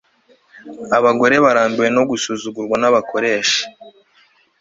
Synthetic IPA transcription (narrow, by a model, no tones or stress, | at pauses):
aβaɡo̞ɾe̞βaɾaːmbiwe̞no̞ɡusuzuɡuɾɡwanaβakʰo̞ɾe̞ːʃḁ